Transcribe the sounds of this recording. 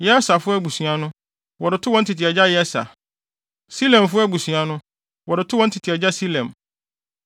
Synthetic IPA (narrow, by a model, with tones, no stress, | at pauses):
jɛ˦sa˨fʊ˦æ˦ɡu˨sɥa˦nʊ̃˦ | wɔ˨ɾɪ˨tʰʊ˦wɔ̃˨˦n̩˦tʰi˨tʰɪ˨ɛ˨d͡ʑa˦jɛ˦sa̰˨ | si˦lɛ̃˨mfʊ˦ɛ˦˨bu˨su˨a˦nʊ̃˦ | wɔ˨ɾɪ˨tʰʊ˦wɔ̃˨˦n̩˦tʰi˨tʰɪ˨ɛ˨d͡ʑa˦si˦lɛ̃˨m